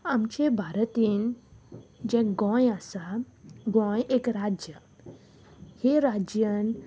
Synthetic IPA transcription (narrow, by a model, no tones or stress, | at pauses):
amt͡ɕebʱaɾt̪iːn | d͡ʑɛ̃kɡɔ̃jasaɡɔ̃jekɾad͡ʑjə | heɾad͡ʑjən